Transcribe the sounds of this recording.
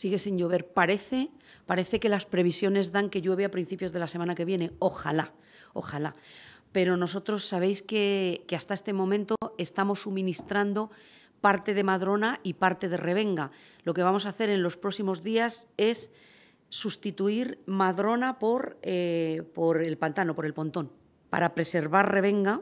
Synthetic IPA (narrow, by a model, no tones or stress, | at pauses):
siɣe̞sinʝoβ̞e̞ɾpaɾe̞θe̞ | paɾe̞θe̞ke̞laspɾe̞β̞isjo̞ne̞zðaŋke̞ʝwe̞β̞eapɾinθipjo̞zð̞e̞lase̞mãnake̞β̞je̞ne̞o̞xa̰la | o̞̰xalape̞ɾo̞no̞s̬o̞t̪ɾo̞sːaβe̞jske̞keast̪aest̪e̞mo̞mẽ̞nt̪o̞e̞st̪amo̞sːumĩnist̪ɾand̪o̞ | paɾt̪e̞ð̞e̞maðɾo̞naipaɾt̪e̞ð̞ere̞β̞e̞ŋɡalo̞ke̞βamo̞s̬aːθe̞ɾe̞nlo̞spɾo̞simo̞zðiase̞sː | ust̪it̪uiɾmaðɾo̞napo̞ɾepoɾe̞lpant̪ano̞po̞ɾe̞lpo̞nt̪o̞n | pa̰ɾapɾe̞se̞ɾβaɾre̞β̞e̞ŋɡa